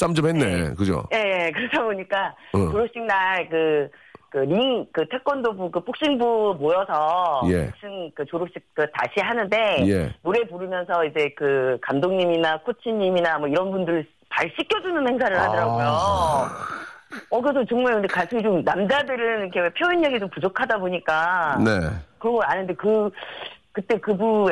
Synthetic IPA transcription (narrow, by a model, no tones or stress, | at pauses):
t͡ɕ͈amt͡ɕomhenːḛkɯd͡ʑo̰je̞jekɯɾʌtʰaboɲik͈at͡ɕoɾop̚ɕ͈iŋ̚naɭkɯ | kɯɾiŋkɯtʰe̞k̚k͈wʌndobukɯp͈ok̚ɕ͈iŋbumojʌsʰʌje̞̰ok̚ɕ͈iŋkɯt͡ɕoɾop̚ɕ͈ik̚t͈ɯta̰ɕʰiɦanɯnde̞je̞̰noɾe̞puɾɯmjʌns̬ʰʌid͡ʑe̞kɯkamdoŋɲiminakʰot͡ɕʰiɲːiminamʌiɾʌnbundɯɾɭ | paɭɕ͈ik͈ʰjʌd͡ʑunɯnhe̞ŋs̬ʰaɾɯɭhadʌɾaɡɡojo | ʌkɯɾes̬ʰʌt͡ɕʌŋmaɭkɯndekas͈ʰɯɡit͡ɕomnamd͡ʑadɯɾɯnikʰewepʰjoinːeɡid͡ʑompud͡ʑokʰadaboɲik͈anekɯɾʌŋɡʌanɯnde̞kɯ | kɯt͈e̞kɯbu